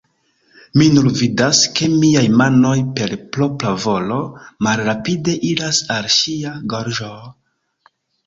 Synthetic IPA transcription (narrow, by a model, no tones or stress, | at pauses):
minunvidaske̞miajmano̞jpe̞ɾplo̞plavo̞lo̞malɾapide̞ʔiɾasalʃiaɡoɾʒo